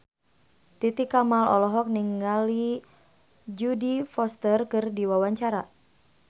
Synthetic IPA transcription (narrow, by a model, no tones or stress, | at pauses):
t̪it̪ikamalɔlɔɦɔk̚niŋali | d͡ʒudifɔst̪ərkɨrdiwawaɲt͡ʃaɾa